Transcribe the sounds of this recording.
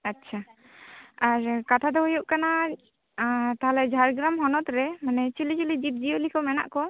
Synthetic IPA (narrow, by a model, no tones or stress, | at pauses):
atːt͡ʃʰa | aɾkat̪ʰad̪ɔɦujɔʔkana | t̪aɦalɛd͡ʒʱaɾɡɾamɦɔnɔt̪ɾɛmanɛt͡ʃilid͡ʒulid͡ʒip̪̚d͡ʒiolikɔmɛna̰ʔkɔ